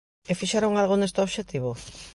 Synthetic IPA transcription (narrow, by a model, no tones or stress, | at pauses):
efiʃeɾoŋalɣonest̪eoβʃet̪iβo